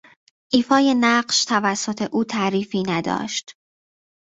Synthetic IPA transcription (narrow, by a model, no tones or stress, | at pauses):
ʔiːfɒːje̞næɢʃt̪ʰævæsːo̞t̪ʰe̞ʔuːt̪ʰæʔɾiːfiːnæd̪ɒ̰ːʃt̪